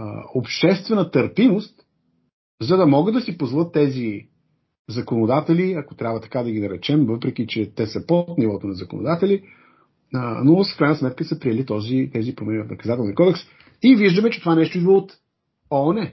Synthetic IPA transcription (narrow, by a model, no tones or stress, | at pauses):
opʃt̪ɛst̪vɛnət̪əɾpimost̪ | zɐd̪ɐmɔɡɤd̪ːɐsipozvˠlˠət̪ːɛzi | zɐkonod̪at̪ɛliɐko̥t̪ɾʲabvət̪ɐ̥kad̪ɐɡinɐɾɛt͡ʃɛmvɤpɾɛk̟it͡ʃɛt̪ɛsəpot̪nivɔt̪onɐzɐko̰no̰d̪at̪ɛli | nofkɾajnəsmɛt̪kəsəpɾiɛlit̪ɔzit̪ɛzipɾomɛnʲivfnɐkɐzat̪ɛlˠnikɔd̪ɛks | iviʒd̪əmɛt͡ʃɛt̪ovanɛʃt̪oid̪vəot̪ | onɛ